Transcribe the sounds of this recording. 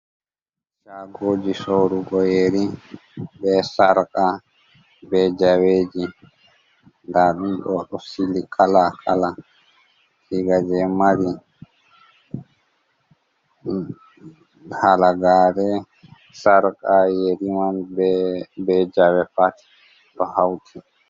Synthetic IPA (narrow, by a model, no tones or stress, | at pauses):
t͡ʃaɡoːd͡ʒisoɾuɡɔjeɾi | bɛsaɾkʼa | bɛd͡ʒaweːd͡ʒi | ndaɗumɗɔɗɔsilikʰalakʰala | siɡad͡ʒɛmaɾi | halaɡaːɾɛ | saɾkʼajeɾimanbɛbɛd͡ʒawɛpat | ɗɔhawtʰi